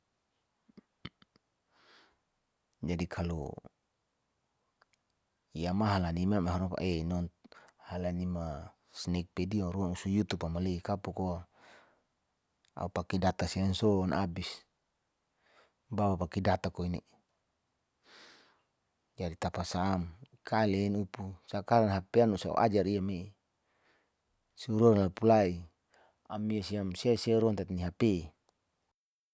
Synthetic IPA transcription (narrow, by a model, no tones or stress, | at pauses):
d͡ʒadikʰalɔ̰ | ijamaɦalanimameɦaɾɔpa̰ʔɛnɔnhalanima | snɛk̚pɛdiaɾuaŋusujut̪upamaleikapuko | a̰upakidat̪asiansɔnʔabis | bawapakidat̪akoine | d͡ʒadit̪apasaːm | kalenupusakaɾanɦapeanusa̰ʔa̰d͡ʒaɾiamei | suuɾuɾnlapulai | amiasiamsiasiaɾuant̪at̪niɦape